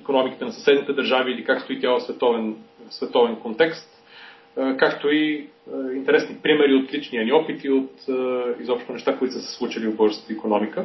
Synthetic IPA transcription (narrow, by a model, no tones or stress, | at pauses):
ikonɔmikit̪ɛnɐsɐsɛd̪nit̪ɛd̪əɾʒaviːlikakst̪oit̪ʲjalˠəsvɛt̪ɔvɛnsvɛt̪ɔvɛnkont̪ɛkst̪ | kakt̪oi | int̪ɛɾɛsnipɾimɛɾiot̪lit͡ʃniəniɔpit̪iot̪izɔpʃt̪onɛʃt̪akoit̪osəsɛ̥slˠut͡ʃilivbɤɾzət̪əikonɔmikə